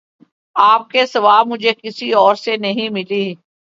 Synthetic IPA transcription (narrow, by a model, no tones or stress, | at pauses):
aːp̚kesɐʋaːbmʊd͡ʒʱekɪsiɔːɾsenɐɦĩmɪliː